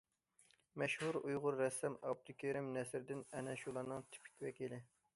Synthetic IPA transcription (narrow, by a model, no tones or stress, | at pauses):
mɛʃhuɾujʁʊɾːɛsːɛmɑ̰b̚d̪ukʲʰeɾɪmnɛsɾɪd̪ɪnɛnɛʃulˠɑnɨŋt̪ʰi̥pʰi̥kʲwɛkʲilɪ